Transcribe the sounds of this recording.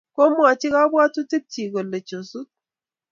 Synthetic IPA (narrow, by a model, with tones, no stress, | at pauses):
ko˦mʷ˦a˨t͡ʃi˦ka˦bwa˦tu˦ti˦p̚t͡ʃi˨ɡo˨lːe˨t͡ʃo˨su˦t̚